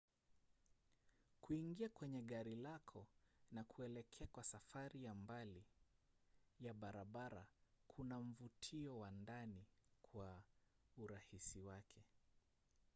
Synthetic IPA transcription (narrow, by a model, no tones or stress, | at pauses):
kuiŋɡiakwɛɲɛɠaɾilakʰɔnakʰuɛlɛkʰɛakwasafaɾijambali | jaɓaɾaɓaɾa̰kʰunam̩vutʰiɔwandanikʰwa | uɾahisiwakʰɛ